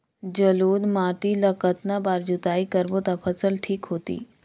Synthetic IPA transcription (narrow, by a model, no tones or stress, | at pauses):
d͡ʒɐloːd̪maːʈilɐkət̪nabaːɾd͡ʒʊt̪aːikɐɾbot̪apʰɐsəlʈʰiːkɦoːt̪ḭː